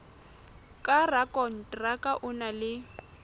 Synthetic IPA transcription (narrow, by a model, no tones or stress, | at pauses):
kʼarakʼɔn̩tʼrakʼaʔʊnalɪ